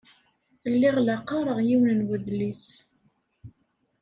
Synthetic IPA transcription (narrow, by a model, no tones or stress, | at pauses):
lːiʁlaqːɑɾˤəʁjiwnənwəðlis